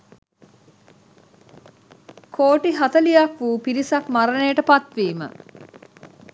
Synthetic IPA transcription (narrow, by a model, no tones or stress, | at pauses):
kʰoːʈiɦɐt̪ɐlijɐkʋuːpiɾisɐkmaɾɐneːʈəpɐt̪ʋiːmə̰